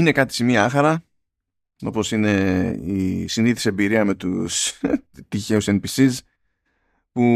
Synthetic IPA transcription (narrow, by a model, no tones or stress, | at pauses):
ine̞kɐt̪i̥simiɐɐxɐɾɐ | o̞po̞sine̞isiniθi̥sebiɾiɐme̞t̪ust̪içe̞usenpisiz | pu